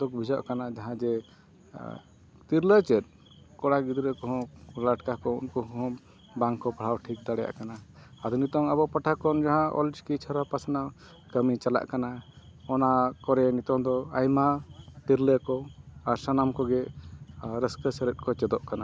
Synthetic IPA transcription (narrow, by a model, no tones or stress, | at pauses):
d̪ɔk̚bʱid͡ʒaʔkanad͡ʒaɦãd͡ʒɛ | t̪iɾlət͡ʃɛt̪̚ | kɔɽaɡid̪ɾəkɔɦɔ̃laʈkakɔṵnkɔɦɔ̃ | baŋkɔpaɽ̤awʈʰik̚d̪aɽɛja̰ʔkanaad̪unit̪ɔŋabɔpaʈʰakɔnd͡ʒaɦãʔɔ̰ld͡ʒkit͡ʃʰəɾapasana | kəmit͡ʃala̰ʔkanaɔnakɔɾɛnit̪ɔ̃d̪ɔajmat̪iɾləkɔaɾsanamkɔɡɛ | ɾəskəsɛɾɛt̪̚kɔt͡ʃɛd̪ɔʔkana